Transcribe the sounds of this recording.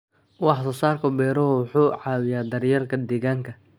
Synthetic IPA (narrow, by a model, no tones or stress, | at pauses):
wɑħsɔsaːrkʰʊbɛːɾɔɦʊwʊħuːʕɑːwɪjaːd̪ɐrjɐrkʰɐd̪ɛːɣaːŋkʰɐ